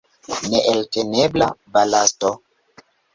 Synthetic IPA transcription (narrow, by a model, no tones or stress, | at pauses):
neʔeltenebla̰balasto